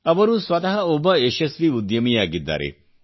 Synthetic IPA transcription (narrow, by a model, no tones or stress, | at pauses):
ɐbɔɾuswɐt̪aɦɐobɔeʃesɾiud̪jɐmijaɡid̪ːa̰ɾḛ